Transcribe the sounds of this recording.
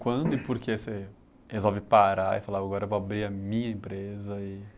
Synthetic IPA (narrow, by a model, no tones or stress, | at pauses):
kwɐ̃nd̪ʊɪpoɾkese | hezɔwvɪpaɾaɪfalaaɡɔɾɐvoabɾiɐmĩɲɐẽmpɾezɐɪ